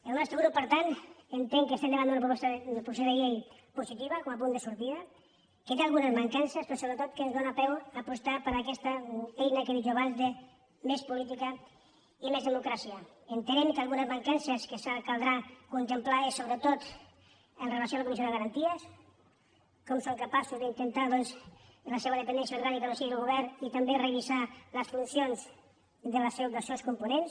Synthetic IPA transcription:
elmest̪eɣuɾupəɾt̪ant̪ent̪eŋkest̪eneβand̪unap̬ɾupɔst̪aelpɾus̬oðeʎej | pusit̪iβakomapund̪esuɾt̪iða | ket̪ealɣunəzmaŋkansəspɾɔsoβɾet̪ot̪kenzðonapɛwapust̪apəɾakɛst̪aejnakeβid͡ʒoaβanzd̪e | mespulit̪ika | imezð̞emukɾasia | ənt̪ənɛmkalˠɣunəzmaŋkansəskesakalˠd̪ɾakunt̪emplaesoβɾət̪ot̪ | ənrelasjoaləkumisod̪əɣaɾant̪iəs | kɔmsoŋkapasuzd̪int̪ənt̪aðɔnsləseβəðəpendɛnsjauɾɣanikalosiiəlɣuβ̞ɛɾnit̪amberəβizaləsfunsjonz | d̪əlsd̪əlˠsewskumpunens

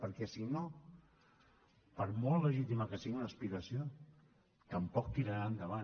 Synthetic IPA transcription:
pəɾkɛsino | pəɾmolˠləʒit̪iməkəsiɣunəspiɣəsio | t̪əmpɔk̚t̪iɾəɾand̪əβ̞a

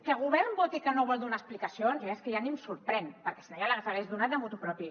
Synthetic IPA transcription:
kəɣuβɛɾmbɔt̪ikənoβɔlˠd̪unaəsplikasionzeskəjanimsuɾpɾɛnpəɾkɛsinajalazaɣezðunat̪d̪əmut̪upɾɔpi

